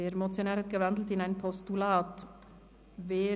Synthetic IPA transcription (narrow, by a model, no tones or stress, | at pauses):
eːɾmɔt̪sjonæːɾət̪̚ɡ̥əʋɑnd̪l̩t̪ɪnæɪnpʰɔst̪ulɑːt̪ | ʋeː